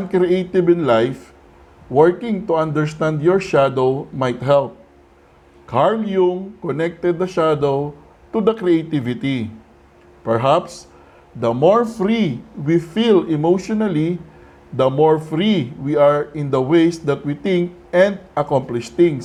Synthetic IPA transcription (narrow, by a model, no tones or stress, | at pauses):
ɐ̃nkɾiejt̪ɪvɪ̃nlajf | wɛɹkɪ̃ŋt̪ʊãnd̪ɛɹst̪ãnd̪jɔɹʃad̪owmajt̪ɦɛlp̚ | kʰaɹljʊŋkɔnɛk̚t̪ɛd̪̚ːɐʃad̪ow | t̪ud̪ɐkɾiejt̪ɪvɪt̪i | pɛɹɦaps | d̪ɐmoɹfɾiwifilɪmowʃɔnɐli | d̪ɐmoɹfɾiwiaɹɪ̃nd̪ɐwejsd̪ɐt̪̚wit̪ɪ̃ŋk̚ | ɛ̃nd̪̚ʔɐkɔ̃mplɪʃt̪ɪ̃ŋs